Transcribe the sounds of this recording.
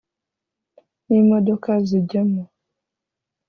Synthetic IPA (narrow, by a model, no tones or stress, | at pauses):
nimədɔkazid͡ʒəmɔ